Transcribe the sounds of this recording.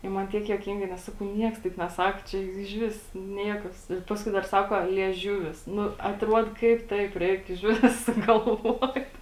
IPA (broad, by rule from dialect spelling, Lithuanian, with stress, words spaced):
ɪ ˈmɐn ˈtʲiɛk juɔˈkʲɪŋɡɐɪ nʲɛs ˈsɑːkɐʊ ˈnʲiɛks tɐɪp nʲɛˈsɐk t͡ʃʲɛ jʊk ɪʒʲˈʋʲɪs ˈnʲiɛkɐs ɪr ˈpɑːskʊɪ dɐr ˈsɑːkoː lʲiɛˈʒʲʊʋʲɪs ˈnʊ ɐtˈruɔt ˈkɐɪp ˈtɐɪp ˈrʲɛɪk ɪʃʲˈʋʲɪs sʊɡɐlˠˈʋuɔt